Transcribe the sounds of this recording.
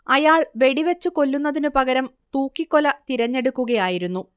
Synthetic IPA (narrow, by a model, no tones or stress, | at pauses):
ɐjaːɭʋe̞ɽiʋe̞t͡ɕːuko̞lːunːɐðinɨpɐɣɐɾɐm | t̪uːkːikːolɐt̪iɾɐɲːe̞ɽukːuɣɐjaːjiɾunːu